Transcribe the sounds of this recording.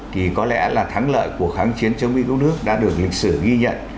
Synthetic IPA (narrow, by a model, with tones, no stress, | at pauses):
t̪ʰi˨˩kɔ˨˦lɛ̰˧˥laː˨˩t̪ʰa˨˦ŋlə̰ː˧˨jku˧˩əxaː˨˦ŋt͡ɕi˨˦ənt͡ɕə˧wŋ͡mmḭ˧˥kə˦˥nɨ˦˥ək̚ɗa̰ː˧˥ɗɨ˨˩ək̚lï˨˩k̟̚sɨ˧˩ɣi˧ɲə̰˧˨n